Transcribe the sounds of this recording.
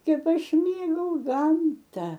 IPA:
ˈkʲɛp ˈɐʃ ˈmʲeːɡɐʊ ˈɡɐmtɐ

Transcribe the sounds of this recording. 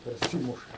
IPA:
pʲɛrʲˈsʲiːmʊʃɐ

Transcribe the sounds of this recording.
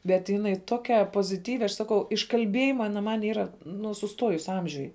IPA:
bʲɛt jɪˈnɐɪ ˈtoːkʲɛ poːzʲɪˈtʲiːʋʲɪ ɐʃ ˈsɑːkɐʊ ɪʃ kɐlʲˈbʲiɛjɪmɐ ˈɑːnɐ mɐn ˈiːrɐ nʊ sʊˈstuɔjʊs ˈɐmʲʒʲʊj

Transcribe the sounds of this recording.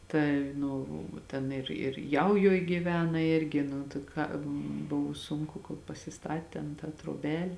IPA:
ˈtɐɪ ˈnʊ ˈtʲɛn ɪr ɪr ˈjɛʊjoːj ɡʲiːˈʋʲæːnɐ ˈɪrʲɡʲɪ nʊ tɐɪ ˈkɑː ˈbʊʋʊ ˈsʊŋkʊ koːlˠ pɐsʲɪˈstɐt tʲeːn tɑː troːˈbʲɛlʲ

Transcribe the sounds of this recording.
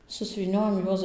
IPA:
sʊsʲʋʲiːˈnʲoːjɛm ˈjuɔs

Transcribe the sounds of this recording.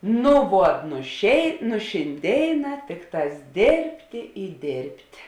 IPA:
nʊ ˈʋuɔt nʊ ʃʲeːɪ nʊ ʃʲɪnʲˈdʲeːɪˌnɑː ˈtʲɪkˌtɑːs ˈdʲeːrʲpʲtʲeː ɪ ˈdʲeːrʲpʲtʲ

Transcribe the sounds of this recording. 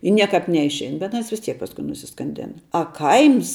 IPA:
ɪ ˈnʲiɛkɑːp nʲɛɪʃʲˈɛɪn bʲɛt ɐˈnɐs ʋʲɪs ˈtʲiɛk pɐsˈkʊɪ nʊsʲɪskɐnʲˈdʲeːnɐ ɐ ˈkɐɪms

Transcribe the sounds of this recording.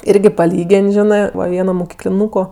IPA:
ˈɪrʲɡʲɪ pɐˈlʲiːɡʲeːnʲ ˈʒʲɪnɜ ˈʋɐ ˈʋʲiɛnoː moːkʲɪklʲɪˈnuːkoː

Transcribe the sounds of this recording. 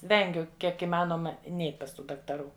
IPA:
ˈʋʲɛŋʲɡʲʊ ˈkʲiɛk ɪˈmɑːnoːmɐ ˈnʲɛɪtʲ pɐs ˈtuː dɐktɐˈruː

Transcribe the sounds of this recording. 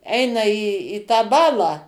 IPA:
ˈɛɪnɐ iː iː tɑː ˈbɑːlˠɑː

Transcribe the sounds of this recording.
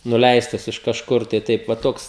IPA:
nʊˈlʲɛɪstɐs ɪʃ kɐʃˈkʊr tɐɪ ˈtɐɪp ʋɐ ˈtoːks

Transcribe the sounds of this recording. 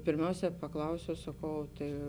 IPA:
pʲeːrʲˈmʲɛʊsʲɛː pɐˈklˠɐʊsʲɛʊ sɐˈkɐʊ oː tɐɪ

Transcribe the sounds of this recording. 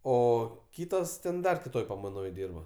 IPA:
ˈoː ˈkʲiːtoːs tʲɛn ˈdɐr kʲɪˈtoːj pɐmɐɪˈnoːj ˈdʲiːrbɐ

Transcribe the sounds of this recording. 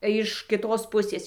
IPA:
ɪʃ kʲɪˈtoːs ˈpʊsʲeːs

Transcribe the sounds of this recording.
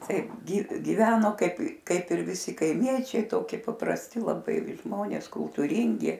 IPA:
ˈtɐɪp ˈɡʲɪ ɡʲɪˈʋʲæːnoː ˈkɐɪp ˈkɐɪp ɪr ʋʲɪˈsʲɪ kɐɪˈmʲiɛt͡ʃʲɛɪ ˈtoːkʲɪ pɐprɐsʲˈtʲɪ lˠɐˈbɐɪ ˈʒmoːnʲeːs kʊlˠtuːˈrʲiːŋʲɡʲɪ

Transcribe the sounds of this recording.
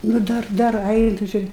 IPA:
nʊ ˈdɐr ˈdɐr ˈɐɪnʊ t͡ʃʲɪ

